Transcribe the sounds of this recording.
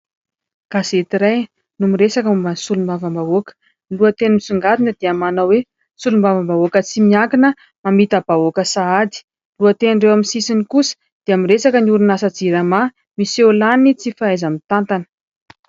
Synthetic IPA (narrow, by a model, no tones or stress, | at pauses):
kaset̪iɾaj | numiɾesakəumansulumbavəmbaokə̥ | luət̪enimisuŋɡat̪inəd̪eamanawe | sulumbavəmbaokət͡simiakinə | mamit̪əb̥aokəsaad̪i̥ | luət̪enɳɖ͡ʐewaminsisinikusə̥ | d̪̥eamiɾesakəniuɾunasad͡ziɾama | miselanit͡sifaajzəmit̪ant̪anə̥